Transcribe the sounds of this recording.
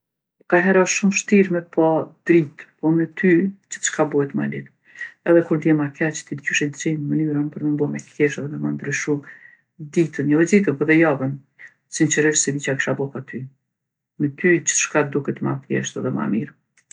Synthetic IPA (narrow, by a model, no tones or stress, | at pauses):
kaɦɛɾaʃumʃt̪iɾmɛpad̪ɾit̪pɔmɛt̪yt͡ʃə̥t̪ə̥ʃkabɔhɛt̪ma̰lɛt̪ | ɛðɛkund̪jɛmakɛt͡ʃt̪id̪ɟyʃɛd̪d͡ʒɛjnəmənyɾanpəɾməmbɔmɛkʰɛʃɛðɛmɛmand̪ɾyʃu | d̪it̪ənjɛwɛzit̪əpɔðɛjavən | sint͡ʃəɾɛɾsɛlit͡ɕaki̥ʃabɔpat̪y | mɛt̪yt͡ʃə̥t̪ə̥ʃkad̪ukɛt̪mapjɛ̰ʃt̪ɛðɛma̰miɾ